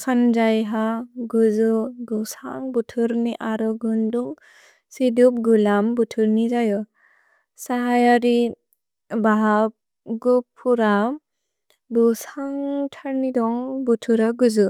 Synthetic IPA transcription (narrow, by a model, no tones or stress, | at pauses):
sʰand͡ʒajɦaɡuzɯɡusa̰ŋbutʰɯɾniʔaɾɔɡɯnduŋ | sidup̚ɡulambutʰɯɾnizajɔ | saɦajaɾi | baɦap̚ | ɡupʰuɾa | bɯsaŋtʰaɾnidɔŋbutʰuɾaɡuzɯ